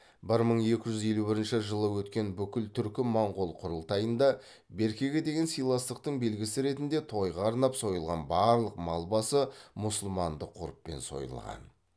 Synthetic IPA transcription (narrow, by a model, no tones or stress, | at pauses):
bɪɾməɴe̞kʲɪʒʏze̞lubɪɾɪnʃɪʒəlˠəwɵt̪kʲe̞nbʏkʲɪlt̪ʰʏɾkʲɪmoɴʁolˠqʰʊɾəlˠt̪ɑjənd̪ɑ | be̞ɾkʲe̞ɡʲed̪e̞ɡʲe̞nsijlˠɑst̪əq̚t̪əɴbe̞lɡʲɪsɪɾe̞t̪ɪnd̪e̞t̪ʰo̞jʁɑɑɾnɑpso̞jəlˠʁɑ̰nbɑɾlˠəqmɑlˠbɑsəmʊsʊlˠmɑnd̪əqʰːʊɾəpːe̞̰nso̞̰jə̰lˠʁɑ̰n